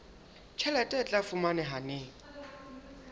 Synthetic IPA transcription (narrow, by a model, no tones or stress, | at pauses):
t͡ʃʰɛlɛtʼɛt͡ɬʼafʊmanɛɦaneːŋ̩